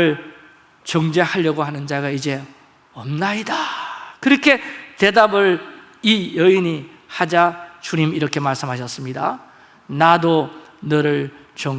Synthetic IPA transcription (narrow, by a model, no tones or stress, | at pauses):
ɯɭ | t͡ɕʌŋd͡ʑe̞haʎːʌɡoɦanɯnd͡ʑaɡaid͡ʑe̞ | ʌmnaidakɯɾʌkʰe̞t̪e̞dabɯɭ | ijʌiɲi | had͡ʑat͡ɕuɲimiɾʌkʰe̞maɭs͈ɯmɦaɕʰʌs͈ɯmɲida̰ | nadonɯɾɯɭ | t͡ɕʌ